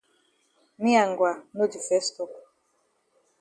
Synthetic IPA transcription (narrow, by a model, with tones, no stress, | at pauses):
mi˦a˨ŋɡwa˨no˦d͡ʒi˨fɛ˦stɔ˨